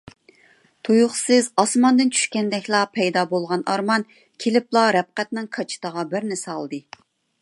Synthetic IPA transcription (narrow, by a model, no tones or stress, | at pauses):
t̪ʰujʊχsɨzɑsmɑnd̪ɨnt͡ʃʰy̥ʃkʲɛnd̪ɛkʲlˠɑpʰɛjd̪ɑbolˠʁɑnɑɾmɑn | kʲʰelɪplˠɑɾɛp̚qɛt̪nɪŋkʰɑt͡ʃʰi̥t̪əʁɑbɪɾnɪsɑlˠd̪ɨ